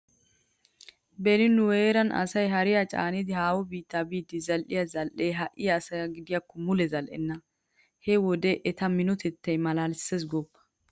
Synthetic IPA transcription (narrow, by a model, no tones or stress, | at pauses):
bɛnɪnːʊweːɾɐnʔɐ̰sɐjɦɐɾɪjat͡ʃʼa̰ːnɪd̪ɪhaːwɔbiːt̪ːaːbiːd̪ɪzɐlʔɪjɐzɐlʔeːɦɐʔɪjaːsɐɐɡɪd̪ɪjɐkːɔmʊlɛzɐlʔɛ̰nːɐ | hɛwɔd̪ɛʔɛt̪ɐmɪnɔt̪ɛt̪ːɐjmɐlaːlses̬ɡɔpːɐ̥